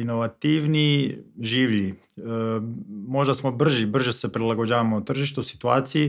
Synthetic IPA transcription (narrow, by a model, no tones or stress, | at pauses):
ino̞ʋat̪iʋniʒiːʋʎi | mo̞ʒd̪asmobr̩ʒibr̩ʒesepɾilˠaɡod͡ʑaːʋamot̪r̩ʒiʃt̪usi̥t̪ua̰ːt̪siji